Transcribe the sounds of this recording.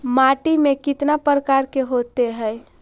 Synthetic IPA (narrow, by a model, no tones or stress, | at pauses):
maʈimekit̪napəɾəkaɾkeɦot̪eɦəj